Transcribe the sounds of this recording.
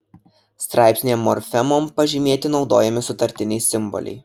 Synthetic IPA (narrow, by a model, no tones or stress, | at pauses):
st̪ɾʔɑɪpʲsʲnʲeːmːɔɾʲfʲɛmoːmpɐʒʲɪmʲeːt̪ʲɪnɒʊd̪oːjɛmʲɪsʊt̪ɐɾʲt̪ʲɪnʲɛɪsʲɪmbɔ̰lʲɛ̰ɪ